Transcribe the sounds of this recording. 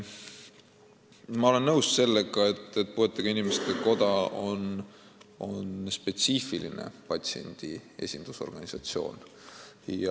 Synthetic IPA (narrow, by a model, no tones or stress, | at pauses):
mɑo̞le̞nːɤwsse̞lːe̞ɡ̥ɑe̞t̪ːˑe̞t̪̚pue̞t̪ːˑɑɡ̥ɑinʲimest̪eko̞d̪ɑon | o̞nspe̞t̪sifilḭne̞̰pɑt̪ʲsie̞̰nʲd̪̥ie̞̰sʲind̪̥uso̞̰rɡ̥ɑnʲisɑt̪sio̞̰ːn | jɑ